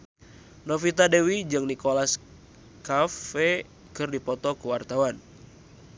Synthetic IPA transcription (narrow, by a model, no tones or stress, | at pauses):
nofit̪adewid͡ʒɨŋnikolas | kafɛ | kɨrdipɔt̪ɔkuwart̪awan